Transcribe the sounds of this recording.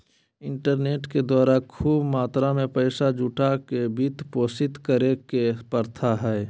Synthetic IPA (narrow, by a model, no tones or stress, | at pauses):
ɪɳʈəɾneːʈked̪waːɾakʰuːbmaːt̪ɾamẽpəjsad͡ʒuːʈakebit̪poːsɪt̪kəɾekepəɾt̪ʰaɦɛː